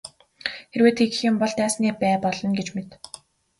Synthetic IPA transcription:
xerweːt̪ʰeɣɘ̆xjʊmpɔɮt̪æːsniːpæːpɔɮɞ̆nɡet͡ɕmet̪

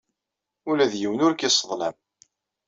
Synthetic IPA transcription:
ulæðjiwənʊɾkɪsˤəðˤlæ̰m

